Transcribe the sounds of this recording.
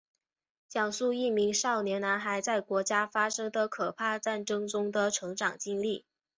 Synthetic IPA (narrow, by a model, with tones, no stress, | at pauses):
t͡ɕjɑ˨˩ŋsu˥˧i˥˩mi˧˥ŋʂɑ˥˩ʊnjɛ˧˥nna˧˥nxa˨˩ɪt͡sa˥˩ɪkwɔ˧˥t͡ɕja˥fa˥ʂɤ˥ŋd̪ə˨kʰɤ˨˩pʰa˥˧ʈ͡ʂa˥˩nʈ͡ʂɤ˥ŋʈ͡ʂʊ˥ŋd̪ə˨ʈ͡ʂʰɤ˧˥ŋʈ͡ʂɑ˨˩ŋt͡ɕi˥ŋli˥˩